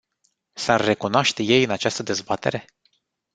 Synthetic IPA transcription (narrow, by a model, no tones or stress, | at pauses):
sarːe̞kunoaʃt̪e̞je̞jɨnat͡ʃast̪əd̪e̞zbat̪e̞ɾe̞